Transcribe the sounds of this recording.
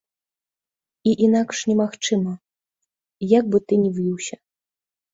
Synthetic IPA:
iʔinakʂnʲɛmaxt͡ʂɨmɐ | jaɡ̚bɨt̪ɨnʲɛvjʲiwɕʲɐ

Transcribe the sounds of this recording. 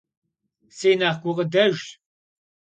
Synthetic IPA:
sejnaːχɡʷʊqʼədɐʒ

